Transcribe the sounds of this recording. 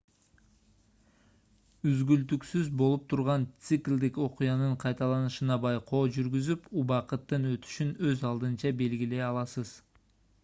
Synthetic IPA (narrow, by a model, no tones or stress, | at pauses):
yzɡylt̪yksyzbo̞lˠup̚t̪ʰuɾʁɑnt̪sɨklʲd̪iko̞qujɑnɯɴqʰɑjt̪ɑlˠɑnɯʃɯnɑbɑjqo̞ːd͡ʒyɾɡyzypubɑqɯt̪ːɯnøt̪y̥ʃynø̞zɑlˠd̪ɯnt͡ʃɑbe̞lɡile̞ɑlˠɑsɯz